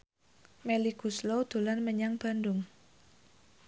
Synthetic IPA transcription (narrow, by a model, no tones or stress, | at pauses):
meliɡ̥ṳslod̪̥o̤lanməɲaŋb̥a̤ndʊŋ